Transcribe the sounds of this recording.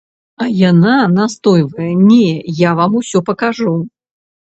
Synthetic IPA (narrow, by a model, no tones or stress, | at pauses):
ɐjananast̪ɔjvɐjɛnʲejavamusʲɔpɐkaʐu